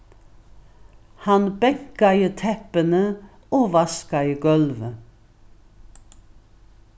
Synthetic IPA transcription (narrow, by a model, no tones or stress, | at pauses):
hɑnbɛkɑɪət̪ʰɛpənə | oːʋɑskɑɪəɡœlʋə